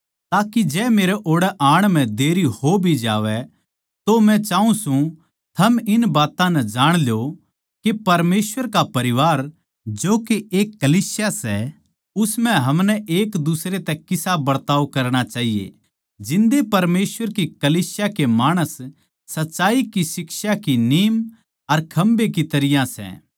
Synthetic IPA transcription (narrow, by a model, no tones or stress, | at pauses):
t̪aːkid͡ʒɛːmeːɾɛʔoːɽɛʔaːɽ̃m̤ɛ̃d̪eːɾihobʱid͡ʒaːʋɛ | t̪omɛ̃t͡ʃaːũsũ | t̪ʰɐmɪnbaːt̪ãnɛd͡ʒaːɽ̃ljo | kepɐɾmeːsʋəɾkapɐɾɪʋaːɾ | d͡ʒoːkeʔeːkːɐliːsɪjasɛ | ʊsmɛ̃ɦɐmnɛʔeːkd̪ʊsɾet̪ɛkɪsabɐɽt̪aːʋkɐɾɽ̃at͡ʃaːɦijḛ | d͡ʒɪ̃nd̪epɐɾmeːsʋəɾkikɐliːsjakemaːɽ̃əsː | ɐtːʃaːikisɪksakiniːm | ɐɾkʰɐ̃mbek̬it̪ɐɾɪjãsɛ̰